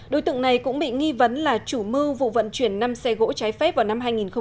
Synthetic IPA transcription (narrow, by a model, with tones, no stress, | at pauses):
ɗo˨˦jt̪ɨ̰˧˨əŋna˨˩jkʊ̰˧˥ŋ͡mɓḭ˧˨ŋi˧və˨˦nlaː˨˩t͡ɕu˧˩mɨ˧vṵ˧˨və̰˧˨nt͡ɕwi˧˩ənːa˧msɛ˧ɣo̰˧˥t͡ɕaː˨˦jfɛ˦˥p̚vaː˨˩wna˧mɦaː˧jŋi˨˩nxə˧ŋ͡m